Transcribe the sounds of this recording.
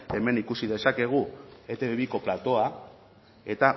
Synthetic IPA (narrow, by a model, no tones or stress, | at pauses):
e̞me̞nikusiðe̞sake̞ɣ̞ue̞t̪eβeβiko̞plat̪o̞a | e̞t̪a